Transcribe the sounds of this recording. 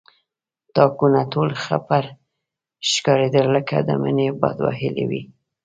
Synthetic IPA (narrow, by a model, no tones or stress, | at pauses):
t̪ɑkunat̪olxapaɾ | ʃkɑɾed̪əlːəka̰d̪ə̰mənebɑ̰d̪wa̰ɦɪlḛwḭ